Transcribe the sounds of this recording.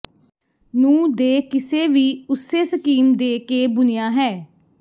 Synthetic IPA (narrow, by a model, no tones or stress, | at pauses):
nũːd̪eːkɪseːʋiːʊseːsəkiːmd̪eːkeːbʊnɪjaːɦɛː